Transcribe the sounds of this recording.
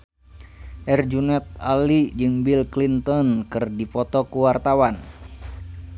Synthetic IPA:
ʔɛrd͡ʒunɛt̪̚alid͡ʒɨŋbilklint̪ɔnkɨrdipɔt̪ɔkuwart̪awan

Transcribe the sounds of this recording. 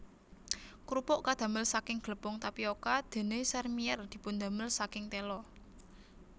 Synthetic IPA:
kɾupʊʔkad̪̥a̤məlsakɪŋɡ̥ələpʊŋt̪apiokad̪̥e̤nesɛrmiɛrd̪̥i̤pʊnd̪a̤məlsakɪŋt̪elɔ

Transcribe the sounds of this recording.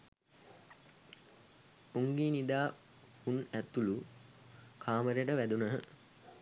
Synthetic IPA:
uŋɡeːnid̪aː | hunæt̪ulu | kʰaːməɾeʈəʋæd̪unəɦə

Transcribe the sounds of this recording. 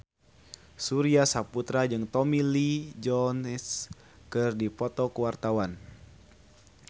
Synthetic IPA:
suɾiasaput̪ɾad͡ʒɨŋt̪ɔmilid͡ʒɔns | kɨrdipɔt̪ɔkəwart̪awan

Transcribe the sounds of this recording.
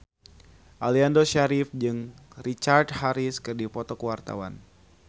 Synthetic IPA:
ʔaliandoʃaɾifd͡ʒɨŋrit͡ʃardhaɾiskɨrdipɔt̪ɔkəwart̪a̰wa̰n

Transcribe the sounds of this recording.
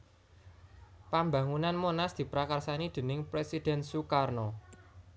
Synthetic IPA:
pamba̤ŋunanmonasd̪̥i̤pɾakarsanid̪̥ə̤nɪŋpɾesid̪̥ɛ̤nsukarnɔ

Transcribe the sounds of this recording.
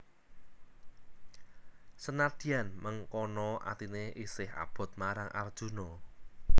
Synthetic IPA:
sənad̪̥i̤anməŋkɔnɔʔa̰t̪ineʔisɪha̰b̥ɔ̤t̪̚maɾaŋʔa̰rd̥ʒ̥ṳnɔ

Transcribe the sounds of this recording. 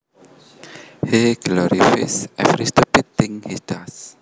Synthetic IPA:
heɡlɔɾifa̰sʔɛfɾist̪upit̪ːɪ̃ŋhisd̥as

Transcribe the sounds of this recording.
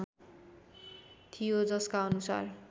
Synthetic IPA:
t̪ʰijod͡zʌskaʌnusa̰r

